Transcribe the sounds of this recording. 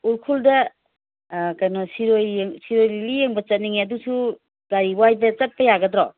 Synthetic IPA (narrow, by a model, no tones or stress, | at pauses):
uɾkʰuldɐ | kajnɔsiɾojeŋsiɾojlilijeŋbɐt͡ʃɐt̚niŋiɐdusu | ɡaɾiwajdɐt͡ʃɐt̚pɐjaɡɐdɾɔ